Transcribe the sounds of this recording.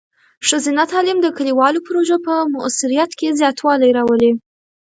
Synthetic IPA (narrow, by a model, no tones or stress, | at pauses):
ʃəzɪnat̪ɑlɪmd̪əkəliwɑlopɾoʒapəmʊʔsɪɾijat̪kezjɑt̪wɑlajɾɑwəle